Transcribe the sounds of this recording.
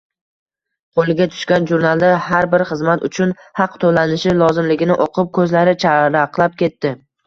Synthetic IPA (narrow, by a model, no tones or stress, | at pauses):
qʰolˠɪɡʲat̪ʰʊ̥ʃkʲanʒuɾnalˠd̪ahaɾbɪɾχɨzmat̪ʊ̰t͡ʃʰʊnhɑqt̪ʰolanɪʃɪlˠɒzɪmlɪɡʲɪnɪʔoqʰɨp̚kʰɵzlaɾɪt͡ʃʰaɾaqlˠap̚kʲʰe̞t̪ːɪ